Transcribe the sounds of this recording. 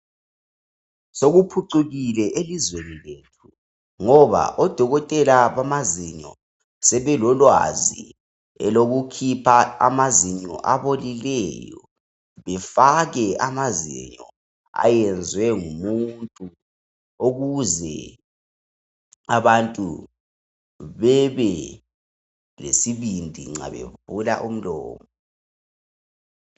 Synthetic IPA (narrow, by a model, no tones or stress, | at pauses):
soɣupʰuǀuɣilɛʔelizwenileːtʰu | ŋɔβa̰ʔɔd̥ʱɔɣɔtʼɛlaβamaziɲɔ̰ | sɛβɛlɔlwa̰zḭ | ɛ̰loɣukʰipʰaamaziɲɔ̰ʔaβolilɛjɔ̰ | βɛfaɣɛamazḭɲɔ̰ | a̰jɛnd͡zʱwɛŋumuntʼu | oɣuzɛ | aβantʼṵ | βɛβɛ | lḛsiβindʱiŋ͡ǁa̰βḛb̥ʱula̰ʔum̩lɔ̰ːmɔ